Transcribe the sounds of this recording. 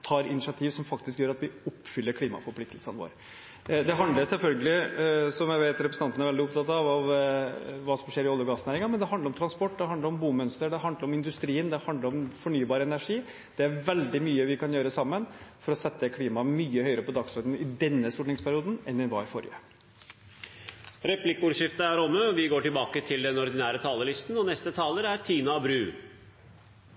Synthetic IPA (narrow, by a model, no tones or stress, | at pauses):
t̪ʰɑːɾɪnɪʂɑt̪ʰiːʋsɔmfɑkt̪ɪskjøːɾɑt̪ʋɪʊpːfʏlːəɾkʰliːmɑ̰fɔɾpʰlɪkt̪lsənʋo̰ːɾ | d̪ɛɦɑnd̪ləsɛlfœlɡəlɪsɔmjæɪʋeɪt̪ɾɛpɾəsn̩ʰɑnənæɾʋɛld̪ɪʊpt̪ɑt̪ːɑʋɑʋ | ʋɑːsɔmʂeːɾɪɔlːəɾɡɑːsnæːɾɪŋɑmɛnd̪ɛɦɑnd̪əɾɔmt̪ɾɑnspɔʈːd̪ɛɦɑnd̪əɾɔmbuːmœnst̪əɖɛɦɑnd̪əɾɔmɪnd̪ʉst̪ɾiːənd̪ɛhɑnd̪əɾɔmfɔɳyːbɑːɾəɛnæʂiː | d̪̥ɛæɾʋɛld̪ɪmyːəʋɪkʰɑnjøːɾəsɑmːənfɔɾɔsɛt̪ːəkʰliːmɑmyːəhœʏəɾəpɔd̪ɑksɔɾd̪ən̩ɪd̪ɛnːəst̪uːʈɳɪŋspʰæɾɪuːd̪n̩ɛnd̪ɪnʋɑ̰ɪfɔ̰ɾjə̰ | ɾɛpʰlɪkəuːɾʂɪft̪əæɾɔmːəɔʋɪɡoːʈɪlbɑːkət̪ʰɪld̪ɛnɔɾd̪ɪnæːɾət̪ʰɑːləlɪst̪n̩ɔnɛst̪ət̪ʰɑːləɾæɾt̪ʰiːnɑbɾʉː